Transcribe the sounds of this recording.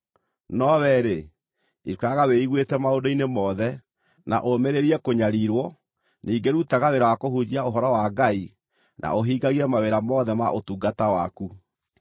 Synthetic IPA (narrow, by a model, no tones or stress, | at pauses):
nɔβɛɾe | iaɣaweiɣwetɛmaodoinemɔðɛ | na̰ʔomeɾeɾiɛkoɲaɾiɾwɔ | niːɡeɾutaɣaweɾawakoɦud͡ʑiaoɦɔɾɔwaɡai | nʔa̰ʔoɦiːɡaɣiɛmaweɾamɔðɛma̰ʔotuːɡatawaku